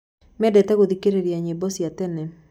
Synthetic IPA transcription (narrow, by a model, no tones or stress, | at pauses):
mɛdɛtɛɣoðikeɾeɾiaɲebɔsiatɛnɛ